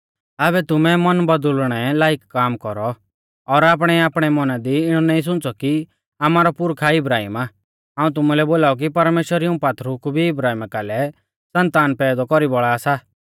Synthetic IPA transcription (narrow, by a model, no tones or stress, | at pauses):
abɛt̪ʊmɛmɔnbɐd̪ʊlɽ̃ɛlaːɪkːaːmkɔɾɔ | ɔɾaːp̬ɽ̃ɛaːpɽ̃ɛmɔnad̪iɪɽ̃ɔnaːĩs̬ʊ̃nt͡sɔki | aːmaːɾɔpʊɾkʰaɪbɾaːɦḭmaː | ɦaːũt̪̬ʊmulɛboːlaːɔk̬ipɐɾmeːʃwəɾiũpaːt̪ʰɾukubʱiɪbɾaːɦiːmakaːlɛ | sɐ̃nt̪aːnpɛːd̪ɔkɔɾibɔɭaːsa